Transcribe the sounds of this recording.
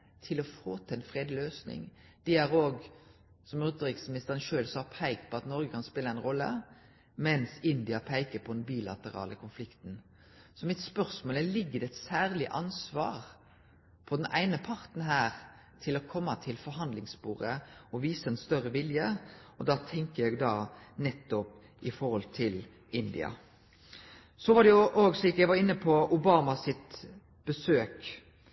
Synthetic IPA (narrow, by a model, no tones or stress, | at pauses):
t̪ʰɪlɔfoːt̪ʰɛnfʁeːd̪løːsnɪ̰ŋd̪̥ɛæɾoːɡ | sɔmɾʉt̪əɾɪksmɪnɪst̪əʁɾənʃøːlsɑːpʰæɪkt̪̚pʰɔɑt̪nɔɾɡəkʰɑnspɪləæɪnʁɔlːə̰ | mɛnsɪnd̪ɪɑpʰæɪkəpʰɔd̪ɛnbiːlɑ̰t̪əʁɑ̰ːlʔəkʰʊnflɪkt̪n̩ | sɔmɪt̪spœʁsmoːlælɪɡːəd̪ɛɛt̪sæːʁlɪʔɑnsʋɑ̰ːʁ | pʰɔd̪ɛnʔæ̰ɪnəpʰɑʁt̪n̩ɦæːʁ | t̪ʰɪlɔkʰɔmːɑt̪ʰɪlfɔɾɦɑnd̪lɪŋsbuːʁɾəɔʋiːsəɛnst̪œɾəʋɪljəɔd̪ɑːt̪ʰɛŋkəjɛɡd̪ɑːnɛt̪ːɔp | ɪfɔɾɔlt̪ʰɪl | ɪnd̪ɪ̰ɑ̰ | sɔʋɑɖɛjʊʔoːɡsliːkjæɪɡʋɑʁɪnːəpʰɔʊbɑːmɑsɪt̪ | b̥əsøːk